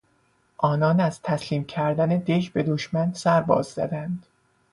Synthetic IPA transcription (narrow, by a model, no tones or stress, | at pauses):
ʔɒːnɒːnæz̥t̪ʰæsliːmcʲʰæɾd̪æne̞d̪eʃbe̞d̪o̞ʃmænsæɾbɒ̰ːzːæ̰d̪ænd̪̥